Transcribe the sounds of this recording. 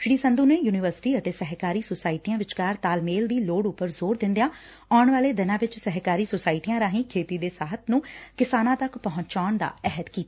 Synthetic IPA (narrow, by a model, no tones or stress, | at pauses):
ʃɽiːsənd̪uːneːjuːnɪʋəɾsɪ̥ʈiːət̪eːsɛɦkaːɾiːsosaːɪʈijãːʋɪt͡ʃkaːɾt̪aːlmeːld̪iːloːɽʊpəɾzoːɾd̪ɪ̃nd̪jãː | aːɳʋaːleːd̪ɪnãːʋɪt͡ʃsɛɦkaːɾiːsosaːɪʈijãːɾãːɦĩːkʰeːt̪iːd̪eːsaːɦət̪nũːkɪsaːnãːt̪əkpəɦʊ̃ɲt͡ʃaːɳd̪a̰ːɛɦəd̪kiːt̪aː